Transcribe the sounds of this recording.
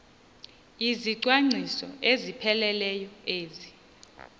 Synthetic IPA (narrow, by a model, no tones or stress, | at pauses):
iziǀwaŋ͡ǀʱisɔ̰ʔezipʰɛlɛlɛjɔeːzi